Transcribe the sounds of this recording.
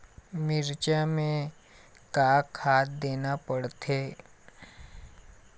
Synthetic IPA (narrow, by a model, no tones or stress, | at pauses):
mɪɾt͡ʃamẽ | kaːkʰhaːt̪̚d̪eːnapəɽt̪ʰeː